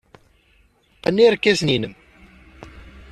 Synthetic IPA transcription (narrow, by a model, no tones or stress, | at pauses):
ænːiɾkːæsninəm